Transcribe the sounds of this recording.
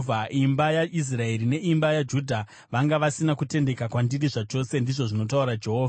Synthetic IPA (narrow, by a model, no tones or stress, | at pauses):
vʱaimbajaʔis̬rae̞ɾine̞ʔimbajad͡ʒudʱa | ʋaŋɡaʋasinakute̞nde̞kakwandiɾiʐat͡ʃo̞se̞ndiʐo̞ʐino̞t̬auɾad͡ʒe̞ɦoːva